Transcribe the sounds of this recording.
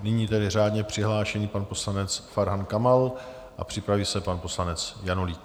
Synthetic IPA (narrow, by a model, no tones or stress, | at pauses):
nɪɲiːt̪ɛdɪr̝aːdɲɛpr̝̥ɪɦlaːʃɛɲiːpanpo̞slanɛt͡sfaɾɦankamal | ʔa̰pr̥ɪpɾaviːsɛpanpo̞slanɛt͡sjanoliːk